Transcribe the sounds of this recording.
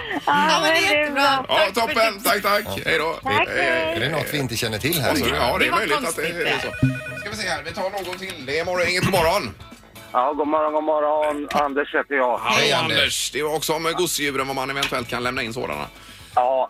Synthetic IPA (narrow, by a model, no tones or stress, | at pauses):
ɛʔɑːt̪ʰɔpːənt̪ʰakːt̪ʰakːhɛjd̪ɑːɛd̪ɛnɔ̰t̪vɪɪnt̪əɕɛnːəʈʰɪlːhæsɔɑːd̪ɛmœjlɪɡ̪at̪d̪ɛɛsoːskavɪseːhæɾvɪt̪ʰɑːɳoːɡɔt̪ʰɪld̪ɛɪmɔɾɔɪŋːət̪ʰɪmɔɾːɔn | ɑːɡomɔɾɔnɔmːɔɾɔnand̪əʂhɛːt̪əjɑːhɛand̪əʂd̪̥ɛɔksɔɔmɛɡʊsɪjʉ̟ːɾənvamanɛvɛnt̪ʰɵɛlt̪̚kʰanlɛmnaɪnːso̰ːd̪a̰na̰ | ɑː